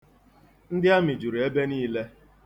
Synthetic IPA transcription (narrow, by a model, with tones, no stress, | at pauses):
n̩˦dɪ˦a˦mi˨d͡ʒu˨ɾi˨e˦be˦niː˦le˦